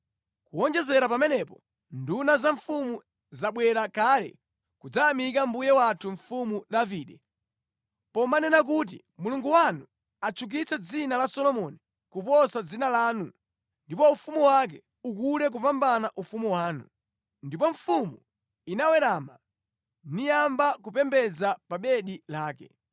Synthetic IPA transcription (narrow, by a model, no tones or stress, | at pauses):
kuɔnd͡ʒɛzɛɾapamɛnɛpɔ | ndunazaɱfumu | zaɓwɛɾakalɛ̰ | kud͡zaːmik̬ambujɛwatʰuɱ̩fumuɗaviːɗɛ | pɔmanɛnak̬ut̬ḭ | muluŋɡuwanu | at͡ʃʰuk̬it͡sɛd͡zinalasɔlɔmɔni | kupɔsad͡zinalaːnu | ndipɔufumuwak̬ɛ | ukuɾɛk̬upambanaʔufumuwaːnṵ | ndipɔɱfumu | inawɛɾaːma | nijambakupɛmbɛd͡zapaɓɛɗilaːkɛ̰